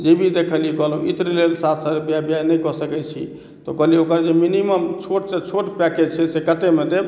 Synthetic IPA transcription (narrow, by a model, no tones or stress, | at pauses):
d͡ʒebʱid̪ekʰəlikɔɦlɦũʔit̪ɾilelsatəɾebjabjanəjkɔsəkɛt͡ʃʰḭ | t̪ɔkəliokɾd͡ʒeminiməmt͡ʃʰoʈ̚set͡ʃʰoʈpɛked͡ʒt͡ʃʰɛsekət̪emed̪eb